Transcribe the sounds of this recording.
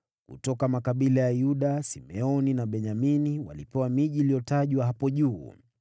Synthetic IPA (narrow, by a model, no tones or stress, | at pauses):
kṵtɔkamakaɓilajajuɗasimɛɔninaɓɛɲaminiwa̰lipɛwamiʄilijɔtaʄwaɦapɔʄuː